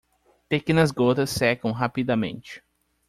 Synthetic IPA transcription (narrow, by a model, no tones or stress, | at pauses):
t̪ekẽnɐzɡot̪ɐsːɛkɐ̃w̃ɦapid̪ɐmḛ̃nt͡ʃɪ̥